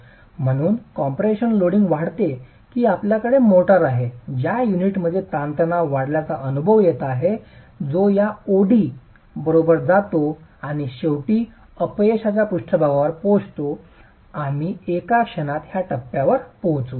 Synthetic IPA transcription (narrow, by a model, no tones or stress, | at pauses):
m̤əɽ̃uːnkɔmpɾeɕənloɽiŋɡʋaɽt̪e | kiːapljakəɽemoʈəɾaɦed͡ʑjajuniʈməd̪ʱːjet̪ant̪ənaʋʋaɽljat͡saʔənubʱəʋjet̪aɦe | d͡zojaoɽi | bəɾobəɾd͡zat̪oaɽ̃iɕeʋʈiː | əpjeɕat͡ɕapuʂʈʰəbaɡaʋəɾpod͡zt̪o | amiːekakɕənat̪ɦjaʈəpːjaʋəɾpoɦt͡suː